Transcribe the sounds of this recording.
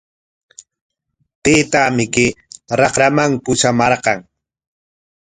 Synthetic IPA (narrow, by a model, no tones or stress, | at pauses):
t̪eːt̪amɪkɪɾɑχɾamaŋpʊʃamɑɾqɑŋ